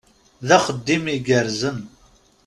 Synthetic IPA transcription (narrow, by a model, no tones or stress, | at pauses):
ðæχəd̪ːimiɡəɾzən